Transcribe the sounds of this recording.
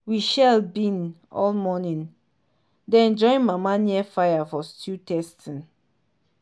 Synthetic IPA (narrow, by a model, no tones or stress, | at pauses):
wiʃɛlbĩn | ɔ̰lmɔnĩn | dɛ̃ɛ̃nd͡ʒɔ̃ĩnmamaniɛfajafɔstʰutɛstʰĩn